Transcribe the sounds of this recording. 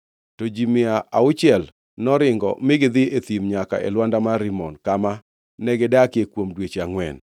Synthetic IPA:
tod͡ʒimɪaʔaʊt͡ʃɪɛl | nɔɾɪŋɡɔ̰mɪɡɪd̪ɪet̪imɲaka̰ʔɛ̰lwandamaɾɪmɔnkama | nɛɡɪdakekwomdwet͡ʃaŋwɛ̰n

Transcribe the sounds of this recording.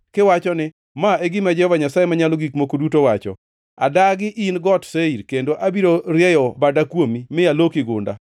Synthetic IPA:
kɪwat͡ʃɔnɪ | maeɡɪmad͡ʒɛhɔvaɲasajemaɲaloɡikmokodutowat͡ʃɔ̰ | a̰daɡɪʔinɡɔtseiɾkendoʔabiɾoɾjɛjɔbadakwomimɪalokɪɡʊnda̰

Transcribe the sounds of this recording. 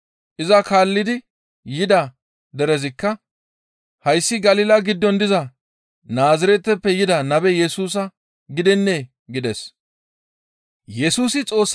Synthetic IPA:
ʔɪzɐkaːlːɪd̪ɪ | jɪd̪ɐ | d̪ɛɾɛzɪkːɐ | hɐjsːɪɡɐliːlɐɡɪd̪ːɔnd̪ɪzɐ | naːzɪɾɛt̪ːɛpːɛjɪd̪ɐnɐbɛjɛsuːs̬ɐ | ɡɪd̪ɛnːe | ɡɪd̪ɛs | jɛsuːsɪt͡sʼo̞ːsː

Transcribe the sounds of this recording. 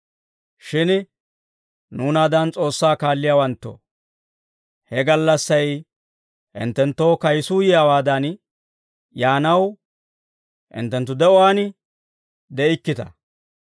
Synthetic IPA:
ʃɪn | nuːnaːd̪ɐnt͡sʼo̞ːsːaːkaːlːɪjaːwɐnt̪ːo̰ | hɛɡɐlːɐsːɐj | ʔɪ̰nt̪ːɛnt̪ːo̞ːkɐjsuːjɪjaːwaːd̪ɐn | jaːnɐw | ʔɪ̰nt̪ːɛnt̪ːʊd̪ɛɔaːn | d̪ɛɪkːɪt̪ɐ̰

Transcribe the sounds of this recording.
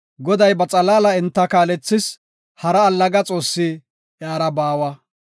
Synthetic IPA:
ɡɔd̪ɐjbɐt͡sʼɐlaːlɐɪnt̪ːɐkaːlɛt͡sːɪs | hɐɾɐːlːɐɡɐt͡sʼo̞ːsːɪ | aːɾɐbaːwɐ

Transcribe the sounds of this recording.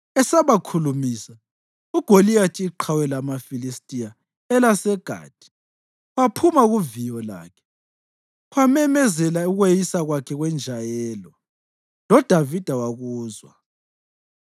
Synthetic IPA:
ɛsaβakʰulumisa | uɡ̥ʱolijatʰʼiːǃʰawɛlamafilistʼija | ɛlasɛɡ̥ʱa̰ːd̥ʱi̥ | wapʰumaɣuvijɔla̰ːkʰɛ̥ | wamɛmɛzɛlauɣwejisaɣwakʰɛɣwɛnd͡ʒʱajɛːlɔ | lɔd̥ʱavid̥ʱawaɣuːzwa̰

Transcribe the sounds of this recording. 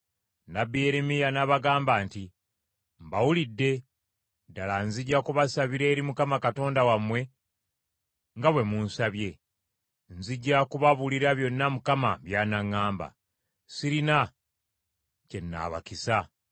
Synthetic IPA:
nabieɾemijanaβaɡaːmbaːnti | mbawulidːe̞ | dalanziɟːakuβasaβiɾe̞ːɾimukamakato̞ːndawamwe̞ | ŋɡaβwe̞muːnsaβje̞ | nziɟːakuβaβuliɾaβjo̞nːamukama̰βjaːnaŋːaːmba̰ | siɾina | ce̞nːa̰ːβa̰kisa

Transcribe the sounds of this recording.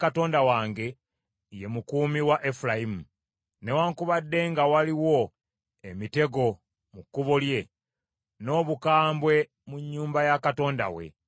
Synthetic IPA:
kato̞ːndawaːŋɡe̞ | jemukuːmiwaʔefulaimu | ne̞waːŋkuβadːe̞ŋɡawaliwo̞ | emite̞ɡo̞ | mukːuβolje̞ | no̞ːβukaːmbwe̞ | muɲːuːmbajakato̞ːnda̰wḛ

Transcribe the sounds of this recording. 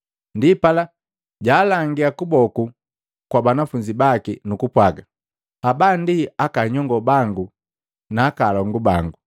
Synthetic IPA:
ndipala | ɟaːlaŋɡiakubɔku | kwabanafuɲd͡ʒibakinukupwaɡa | habandiakaɲɔŋɡɔbaŋɡu | naːkaːlɔŋɡubaŋɡu

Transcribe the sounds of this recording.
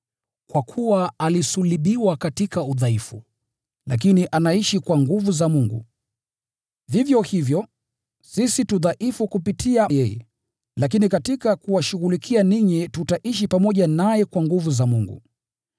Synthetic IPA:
kwakʰuwaalisuliɓiwakatikauðaifṵ | lak̬iniʔanaiʃikwaŋɡuvuzamuŋɡṵ | vivjɔhivjɔ | sisituðaʔifukupitiajɛjɛ̰ | lak̬inikatikakuwaʃuɣulikʰianiɲitutaʔiʃ̬ipamɔʄanajɛkwaŋɡuvuzamuŋɡṵ

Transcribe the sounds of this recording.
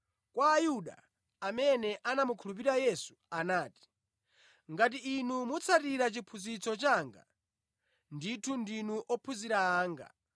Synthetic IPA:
kwaːjuɗa̰ | amɛnɛʔanamukʰulup̬iɾajɛsu̥anaːti̥ | ŋɡat̬iːnumut͡sʰatiɾat͡ʃipʰuzit͡sɔt͡ʃaːŋɡa̰ | nditʰundinuʔɔpʰuziɾaːŋɡa̰

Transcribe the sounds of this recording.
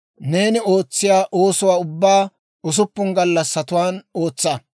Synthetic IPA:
ne̞ːnɪo̞ːt͡sːɪjaːʔo̞ːsʊwaːʊbːaː | ʊs̬ʊpːʊŋɡɐlːɐsːɐt̪ʊwaːnoːt͡sːɐ

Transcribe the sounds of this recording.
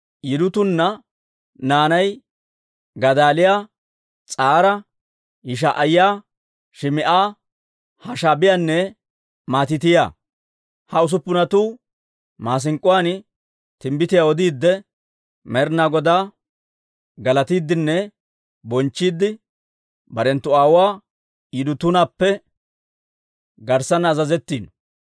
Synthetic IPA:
jɪd̪ʊt̪ʊnːɐ | naːnɐj | ɡɐd̪aːlɪjaː | t͡sʼaːɾɐ | hɪʃ̬aʔɐjjaː | ʃɪmɪʔaː | hɐʃaːbɪjanːɛ | maːt̪ɪt̪ɪja̰ː | hɐʊs̬ʊpːʊnɐt̪uː | maːs̬ɪŋkʼːʊwaːn | t̪ɪmbɪt̪ɪjaːwɔd̪iːd̪ːɛ | mɛɾnaːɡɔd̪aː | ɡɐlɐt̪iːd̪ːɪnːɛ | bɔnt͡ʃːiːd̪ːɪ | bɐɾɛnt̪ːʊaːwaː | d̪ʊt̪ʊnaːpːɛ | ɡɐɾsɐnːzɐzɛt̪ːiːn

